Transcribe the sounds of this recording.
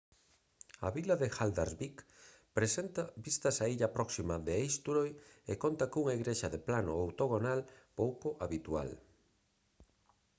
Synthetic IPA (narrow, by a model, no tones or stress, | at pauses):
ɐβilɐðexald̪aɾβik | pɾesent̪ɐbist̪ɐsaiʎɐpɾɔksimɐðeejst̪uɾojekont̪ɐkuŋaiɣɾeʃaðeplanoowt̪oɣonalpowkoʔaβit̪ua̰l